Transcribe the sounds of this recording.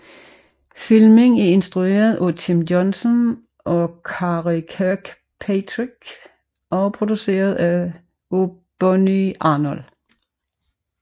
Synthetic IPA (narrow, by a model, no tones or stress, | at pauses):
filmeŋæɐe̝nsd̥ʁue̝̰ːɐð̩ˠʔot͡sʰimjɔnsən | ʔɒkʰɑʁikʰæɡ̥ | pʰet͡sʰʁiɡ̥ | ʔɒ̽pʰʁod̥use̝̰ːɐð̩ˠæ | ob̥ɔniɑnɔl